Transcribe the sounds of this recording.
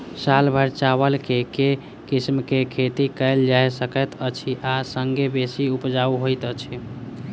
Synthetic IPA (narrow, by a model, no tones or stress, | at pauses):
salbʱəɾt͡ʃabəlkeke | kismkekʰet̪ikəɪld͡ʒajsəkət̪ət͡ʃʰiʔasəŋɡebesiupd͡ʒauɦojt̪ət͡ʃʰi